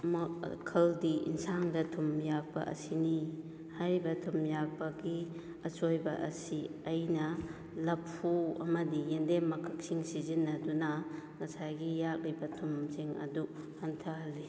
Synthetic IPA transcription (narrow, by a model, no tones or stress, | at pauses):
mkʰɐldiḭnsaŋdɐtʰumjak̚pɐ̰ʔɐ̰sini | hajɾibɐtʰumjak̚bɐɡi | ɐsojbɐʔɐ̰siɐjnɐ | lɐpʰːuɐ̰mɐdijendemɐkʰɐk̚siŋsizinːɐdunɐŋɐsajɡijak̚libɐtʰumziŋɐ̰du | hantʰɐɦɐlːi